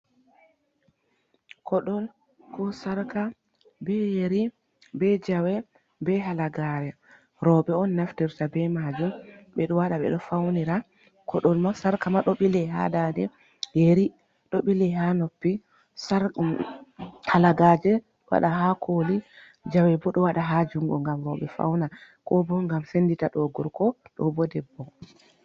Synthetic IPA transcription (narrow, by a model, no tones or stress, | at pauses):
kʰɔɗɔl | kɔsaɾka | bɛjeɾi | bɛd͡ʒawɛ | bɛɦalaɡaɾɛ | ɾɔbɛɔnːaftiɾtabɛmad͡ʒumɓɛɗɔwaɗaɓɛ̰ɗɔfawniɾa | kʰɔɗɔlmasaɾkamaɗɔɓilɛɦa̰dadɛ | deɾi | ɗɔɓilɛhanopːi | saɾ | halaɡad͡ʒɛ | wa̰ɗaɦakʰoli | d͡ʒawɛbɔɗɔwaɗaɦad͡ʒuŋɡɔ̰ŋɡamɾɔɓɛfa̰wna | kɔbɔŋɡamsenditaɗɔɡɔɾkɔɗɔ̰bɔdɛbːɔ